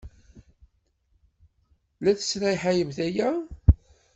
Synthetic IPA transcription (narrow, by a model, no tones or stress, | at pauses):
læθə̥sɾˤajħajəmθæjæ